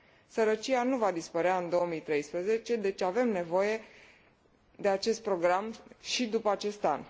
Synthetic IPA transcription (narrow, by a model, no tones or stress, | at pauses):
səɾət͡ʃijanuvad̪ispəɾeaɨnd̪o̞omit̪ɾe̞jspɾəze̞t͡ʃe̞d̪e̞t͡ʃave̞mne̞vo̞je̞ | d̪e̞at͡ʃe̞st̪̚pɾo̞ɡɾamʃid̪upəat͡ʃe̞st̪an